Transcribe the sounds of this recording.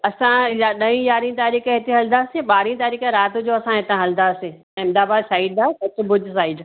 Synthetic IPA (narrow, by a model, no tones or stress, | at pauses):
ɐsãjaɗɐĩjaːɾĩt̪aːɾiːkẽɦɪt̪eɦɐld̪aːsẽɓaːɾĩt̪aːɾiːkẽɾaːt̪ʊd͡ʑoɐsãɦɪt̪ãɦɐld̪aːsẽ | ɪmd̪aːbaːd̪saːɪɖ̚d̪aːsɐt͡ɕʊ̆bʊd͡ʑʱsaːɪɖ